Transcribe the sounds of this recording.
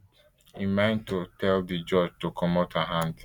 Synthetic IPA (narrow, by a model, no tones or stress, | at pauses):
himãntotʰɛldid͡ʒɔd͡ʒtokʰɔmotaɦãnd